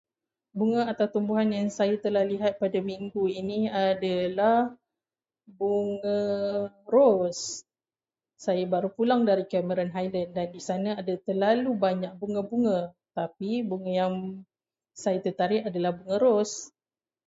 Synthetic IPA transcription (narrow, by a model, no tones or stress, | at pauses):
buŋə̃at̪awt̪umbuɦanjaŋsajat̪əlahliɦat̪̚padamiŋɡuiniadalah | buŋə̃ | ros | sajabaɾupulaŋdaɾikɛməɾanɦajlandandisanə̃adat̪əlalubaɲak̚buŋə̃buŋə̃ | t̪apibuŋə̃jaŋ | sajat̪ət̪aɾɪʔadalahbuŋə̃ɾos